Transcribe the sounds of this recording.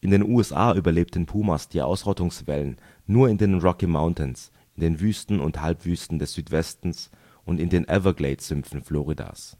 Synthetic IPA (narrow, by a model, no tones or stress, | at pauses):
ʔɪndeːnʔuːɛsʔa̰ːʔyːbɐleːp̚tən̩pʰuːmasd̥iːʔa̰ʊsʁɔtʊŋsv̥ɛlənː | uːɐɪndeːnʁɔkimaʊntəns | ɪndeːnvyːstn̩ʊ̰nthalpv̥yːstn̩dɛsz̥yːtv̥ɛstn̩s | ʔʊntɪndeːnʔɛvɐɡleɪtsz̥ʏmfn̩flɔʁida̰ːs